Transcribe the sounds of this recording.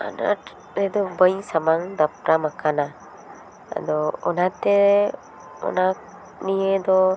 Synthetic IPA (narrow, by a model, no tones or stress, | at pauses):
a̰na̰ʈ | ɛd̪ɔbəɲsamaŋd̪ap̚ɾamakana | a̰d̪ɔɔnat̪ɛ | ɔ̰nak̚ | nied̪ɔ